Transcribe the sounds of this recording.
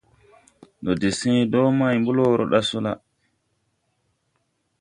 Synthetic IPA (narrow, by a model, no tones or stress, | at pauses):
ndɔdisĩdɔmajmbulɔːɾɔ̰ɗasula